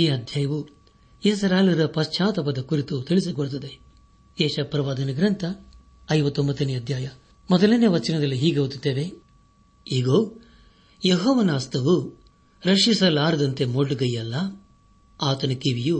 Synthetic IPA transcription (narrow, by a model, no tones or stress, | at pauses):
iːɐd̪ʱjaːjɐʋu | eːs̬ɐɾaːlɐɾɐpɐst͡ʃaːt̪ɐpɐd̪ɐkuɾit̪ut̪iɭis̬ikoɽut̪̬ɐd̪e | eːʃɐpɾɐʋaːd̪ɐnɐɡɾɐnt̪ʰɐː | jʋɐt̪ːombɐt̪ːɐniɐd̪ʱjaːjɐ | mɔd̪ɐlenːeʋɐt͡ʃɐnɐd̪ɐlːiɦiːɡeɐut̪it̪ːeːʋe | iːɡoː | jeɦoːʋɐnaːst̪ʰɐʋu | ɾɐʂisɐlaːɾɐd̪ɐnt̪e̞moɽːuɡɐjɐlːɐ | aːt̪ɐnɐkiʋiju